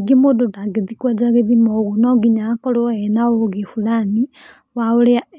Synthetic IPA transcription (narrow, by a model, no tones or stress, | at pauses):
ɡimododaɡeðikwad͡ʒaɣeðimɔɣonɔɡiɲakɔloɛnaoɣefulani | waoɾea